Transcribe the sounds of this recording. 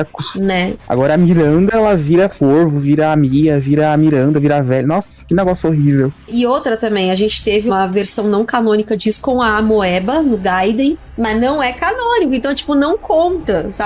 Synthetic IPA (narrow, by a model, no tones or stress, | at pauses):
kʊsnɛa̰ɡɔɾɐːmiɾɐ̃nd̪ɐɛlɐviɾɐfoɾvʊviɾɐamiɡɐviɾɐːmiɾɐ̃nd̪ɐviɾɐavɛʎʊnɔsɐ̥kɪneɡɔsʊoɦivewɪowt̪ɾɐt̪ɐ̃mbẽj̃ɐʒẽnt͡ʃɪ̥t̪evɪũmɐveɾsɐ̃w̃nɐ̃w̃kanõnikɐd͡ʒisʊ̥kõw̃ɐːmoɛbɐnʊɡajd̪ẽj̃ | mɐznɐ̃w̃ɛkanõnikʊẽt̪ɐ̃w̃ɛt͡ʃi̥pʊnɐ̃w̃kʰõnt̪ɐsa